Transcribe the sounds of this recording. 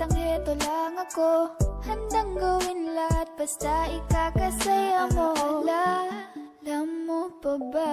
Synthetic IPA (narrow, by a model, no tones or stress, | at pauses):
ɐŋɛːt̪olaŋɐkohɐnd̪ɐŋɡɐwɪnlahɐt̪̚bɐst̪aɪkaːkɐsajɐmola | lɐmːopɐba